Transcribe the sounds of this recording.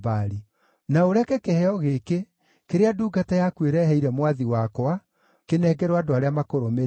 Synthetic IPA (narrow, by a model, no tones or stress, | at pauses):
baɾi | naoɾɛkɛkehɛɔɣeke | keɾeaduːɡatajakweɾɛɦɛiɾɛmwaðiwakɔa | kenɛːɡɛɾwadoaɾeamakoɾome